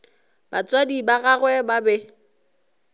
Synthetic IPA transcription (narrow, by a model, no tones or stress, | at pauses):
b̥at͡sʼwadibaɣaɣwɛbabɛ